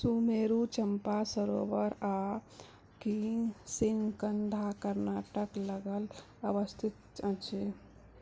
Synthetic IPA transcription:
sumeɾut͡ʃəmpasəɾo̰bəɾa | kisiŋɡkənd̪ʱakəɾnaʈəkləɡəl | əʋəst̪ʰit̪̚t͡ʃə̃t͡ʃʰi

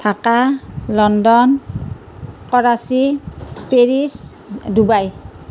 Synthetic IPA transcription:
tʰakalɔndɔn | kɔɹasipeɹis | dubaj

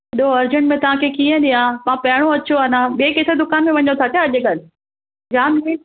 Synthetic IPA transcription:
ɪɗoɐɾd͡ʑəɳʈmẽt̪ɐʋ̤ãkʰekiːə̃ɗijããpɐɦɪɽ̃oɐt͡ɕoaːnaɓieket̪ɾed̪ʊkaːnmẽʋɐɲõt̪ʰat̪jaɐʄɡal | d͡ʑaːmiː

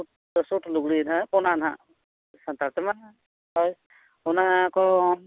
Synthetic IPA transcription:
sutʰluɡlinapɔnanɦã̰ | sant̪aɾtɛma | hɔj | ɔnakɔɔ

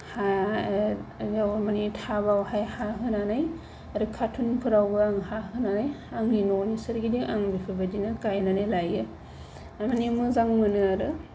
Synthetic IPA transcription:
ha | jawmanitʰabawhajhaɦɯnanaj | aɾɯkʰatʰunpʰɯɾawbɯaŋhaɦɯnanajaŋinɔnisɯɾɡidiʔaŋbipʰɯbadinɯkajnanajlajɯ | amanimɯzaŋmɯnɯaɾɯ

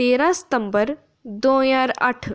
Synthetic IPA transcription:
eːɾãsə̥t̪əmbəɾ | d̪õːjaːɾɐ̰ʈʰ

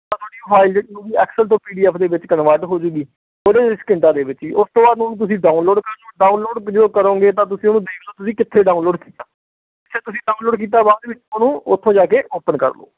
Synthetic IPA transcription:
t̪ãːt̪ʰoːɽiːpʰaːɪld͡ʒeʈnũːʋiːɛ̰ːksəlt̪õːpiːɖiːɛːpʰd̪eːʋɪt͡ʃkənʋaːʈɦoːd͡ʒʊɡiː | oːd̪eːɾɪskɪ̃ɳʈãːd̪eːʋɪt͡ʃiːʔʊst̪õːbaːd̪nũnũːt̪̬ʊsĩːɖaːunloːɖkəɾd͡ʒoːɖaːunloːɖd͡ʒəd̪oːkəɾõːɡeːt̪ãːt̪̬ʊsĩːonũːd̪eːkd̪aːt̪ʊsĩːkɪt̪ʰːeːɖaːũːnloːɖkiːt̪aː | kɪt̪ʰːeːt̪ʊsĩːɖaːũːnloːɖk̬iːt̪̬aːbaːd̪ʋɪt͡ʃonũːʊt̪ʰːõːd͡ʒaːkeːʔoːpənkə̰ɾlo̰ː

